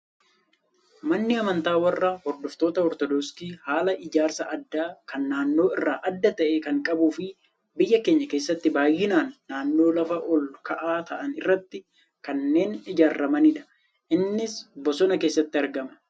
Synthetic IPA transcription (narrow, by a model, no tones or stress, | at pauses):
mɐnːɪɐmɐnt̪aːwɐrːaːhɔɾd̪ɔft̪o̞ːt̪ɐhɔɾt̪ɔd̪ɔskiːhaːlɐʔɪd͡ʒaːɾsɐʔɐd̪ːaːkɐnːaːnːo̞ːɪrːaːʔɐd̪ːɐt̪ɐʔeːkɐŋkʼɐbuːfɪ | bɪjːɐke̞ːɲːɐke̞ːsːɐt̪ːɪbaːjːɪnaːnːaːnːo̞ːlɐfɐʔɔlkɐʔaːt̪ʰɐʔɐnɪrːɐt̪ːɪ | kɐnːe̞ːnɪd͡ʒaːɾːɐmɐnɪᶑ̪ɐ̥ | ʔɪnːɪsbɔsɔnɐke̞ːsːɐt̪ːɪɐɾɡɐmɐ̥